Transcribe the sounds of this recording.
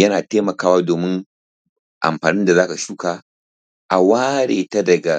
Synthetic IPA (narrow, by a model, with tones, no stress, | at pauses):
jɐ˦naː˨teː˦mɐ˨kaː˦waː˦doː˨mɪ˦ŋ | ʔa̰˨mɸaː˨nɪ˦nda˨zaː˦ka˨ʃu˦ka˨ | ʔa˨waː˦ɽeː˨ta˦dɐ˨ɡa˨